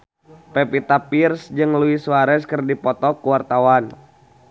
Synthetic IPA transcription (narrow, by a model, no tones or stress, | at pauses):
pɛpit̪apirsd͡ʒɨŋluisuwaɾɛskɨrdipɔt̪ɔkuwart̪awan